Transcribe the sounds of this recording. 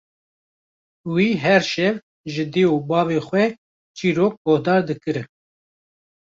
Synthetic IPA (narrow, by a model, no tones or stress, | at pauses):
wiːɦɛɾʃɛv | ʒɨd̪eːubɑːvexʷwɛ | t͡ʃiːɾoːk̚ɡoːhd̪ɑːɾd̪ɨkɨɾɨn